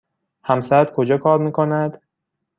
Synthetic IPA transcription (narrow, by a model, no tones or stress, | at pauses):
hæmsæd̪̥kʰod͡ʒɒːkʰɒːɾmiːkʰonæd̪̥